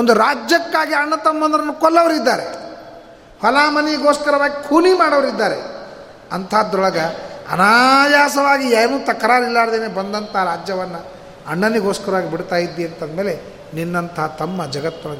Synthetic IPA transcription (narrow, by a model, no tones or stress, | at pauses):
ond̪uɾaːd͡ʒjɐkːaːɡiɐɳːɐt̪ɐmːɐnd̪ɐɾɐnːukɔlːɐʋɐɾid̪ːaːɾe | fɐlaːmɐnijɡoːskɐɾɐʋaːɡikʰuːnimaːɽɐʋɐɾid̪ːaːɾe | ɐnt̪ʰɐɦad̪ɔɭɐɡɐ̰ːnajaːsɐʋaːɡieːnut̪ɐkːɐɾaːɾilːaːɾd̪eːnebɐnd̪ɐnt̪ɐaɾaːd͡ʒjɐʋɐnːɐ | ɐɳːɐniɡoːskɐɾɐʋaːɡibiɽt̪aːjid̪ːiɐnt̪ʰɐd̪meːle | ninːɐnt̪ʰɐɦɐt̪ɐmːɐd͡ʒɐɡɐt̪ːɔɭɐ